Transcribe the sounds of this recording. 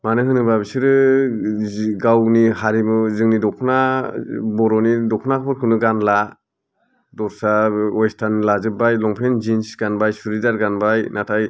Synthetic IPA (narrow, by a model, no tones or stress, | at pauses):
manɯɦɯnɯbabisɯɾɯ | ɡawniɦaɾimɯzɯŋnidɔkʰna | bɔɾɔnidɔkʰnakʰpʰɔɾ̚kʰɯnɯɡanla | dɔɾsaɔjstʰanlazɯbajlɔŋpʰenzinsɡanbajsuɾidaɾɡanbajnatʰaj